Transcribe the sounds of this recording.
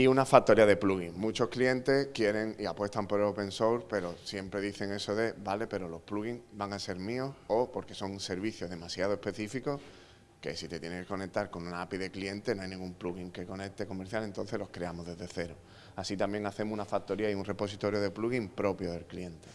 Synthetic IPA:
iunafak̚t̪ːo̞ɾiaðe̞pluɣiŋmũt͡ʃo̞hklie̞nt̪e̞hkje̞ɾe̞ŋiapwe̞st̪ampo̞ɾelopẽ̞nsoɾpe̞ɾo̞sje̞mpɾe̞ðiθe̞ŋe̞so̞ðe̞bale̞pe̞ɾo̞lo̞hpluɣiŋbaŋase̞ɾmĩo̞sopo̞ɾke̞so̞ŋse̞ɾβiθjo̞ɦðe̞masjað̞oe̞hpe̞θifiko̞ | ke̞̰sit̪e̞t̪je̞neŋkeko̞ne̞k̚t̪aɾko̞nũnaapiðe̞klie̞nt̪e̞noajnĩŋɡumpluɣiŋke̞ko̞ne̞k̚t̪e̞ko̞meɾθjale̞nt̪o̞nθe̞lo̞hkɾeamoɦðe̞ðe̞θe̞ɾo | asit̪ambje̞ŋaθe̞mounafak̚t̪o̞ɾiaiunre̞po̞sit̪o̞ɾjo̞ð̞e̞pluɣimpɾo̞pjo̞ðe̞lklie̞nt̪e̞

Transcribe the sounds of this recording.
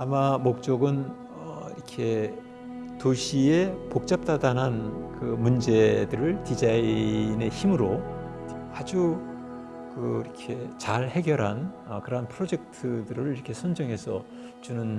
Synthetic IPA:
amamok̚t͡ɕ͈oɡɯn | ʌ̰ḭɾʌkʰe̞ | toɕʰiepok̚t͡ɕ͈ap̚t͈adanɦankɯmund͡ʑe̞dɯɾɯɭtid͡ʑaine̞çimɯɾo | ad͡ʑu | kɯiɾʌkʰe̞t͡ɕaɭhe̞ɡjʌɾɦan | ʌkɯɾʌanpʰɯɾod͡ʑe̞k̚tʰɯdɯɾɯɭiɾʌkʰe̞sʰʌnd͡ʑʌŋɦe̞sʰʌ | t͡ɕunɯn

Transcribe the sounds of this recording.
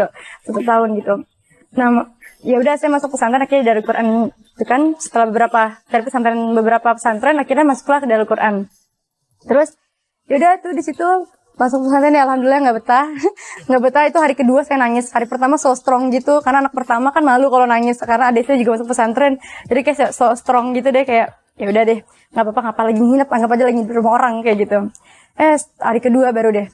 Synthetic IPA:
put̪ut̪aʊnɡit̪u | namjaudasamasʊk̚pəsant̪ɾɛnakiɲadaləlkuɾʔan | it̪ukansə̥t̪əlahbəbəɾapat̪aɾipəsant̪ɾɛnbəbəɾapapə̥sant̪ɾɛnakirɲamasʊ̥klahdaləlkuɾʔan | t̪əɾʊs | jaudaht̪udisit̪u | masʊk̚pəsant̪ɾɛnjaalhamdulilaŋɡaʔbət̪ahŋɡaʔbət̪ahit̪uɦaɾikəduasajanaŋɪshaɾipərt̪amasɔst̪ɾɔŋɡit̪ukarnaːnak̚pərt̪amakanmalukalonaŋɪskaɾənaːdaisit̪ud͡ʒuɡamasʊk̚pəsant̪ɾɛnd͡ʒadikajaʔsasɔst̪ɾɔŋɡit̪̬udɛhkajaʔ | jaudahdɛh | ŋɡaʔpapaŋapalaɡiɦinapaŋɡap̬ad͡ʒalaɡidɾumaoɾaŋkajaʔɡit̪u | ʔɛhha̰ɾikəduabaɾudɛh

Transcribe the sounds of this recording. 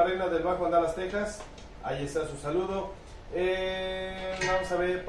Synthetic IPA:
ɾenaðelβaxoand̪alast̪exas | a̰ʝest̪asusaluðo | e | bamosaβeɾp

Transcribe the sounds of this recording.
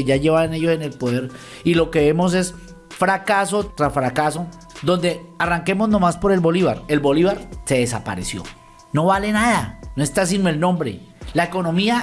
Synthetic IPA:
eʝaʝeβane̞ʝo̞sene̞lpoðe̞ɾ | ilo̞ke̞βe̞mo̞s̬e̞s | fɾakaso̞t̪ɾafɾakaso̞ | d̪o̞nd̪e̞araŋke̞mo̞zno̞maspo̞ɾe̞lbo̞liβaɾe̞lbo̞liβaɾse̞ðesa̰pa̰ɾe̞sjo̞̰ | no̞βale̞naðano̞e̞st̪as̬inoe̞lnõ̞mbɾe̞̰laeko̞nõ̞mia

